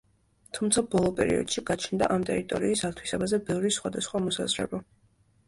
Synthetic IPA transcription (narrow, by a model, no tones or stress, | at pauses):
t̪ʰumt̪sʰabɔlˠɔpʼɛ̰ɾḭɔ̰d̪̥ʃiɡat͡ʃʰnd̪a̰ʔamt̪ʼɛɾit̪ʼɔ̰ɾiːsat̪ʰwisabazɛbɛvɾisχwad̪asχwamɔsa̰zɾɛ̰ba